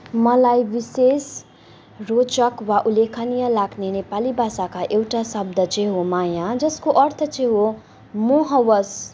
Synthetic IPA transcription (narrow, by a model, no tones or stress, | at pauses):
mʌlajbises | rot͡sʌkwaʔulekʰanijʌlaɡnenepalibʱasakaʔewʈasʌbd̪ʌt͡sʌ̃ɦomajad͡zʌskoʔʌrt̪ʰʌt͡sẽɦo | moɦʌwʌs